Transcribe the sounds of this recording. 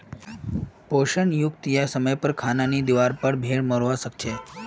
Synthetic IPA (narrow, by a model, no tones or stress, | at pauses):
poʃənjukt̪jasəməjpəɾkʰananid̪iʋaɾpəɽbʱeɭməɾʋasək̚t͡ʃʰe